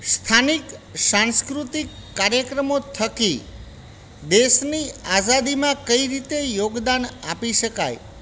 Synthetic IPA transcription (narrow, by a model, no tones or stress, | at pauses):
st̪ʰaniksãnskɾut̪ikːaɾjəkɾəmot̪ʰəki | d̪eʃniad͡ʒad̪imãkəiɾit̪ejoɡd̪anapiʃəkaj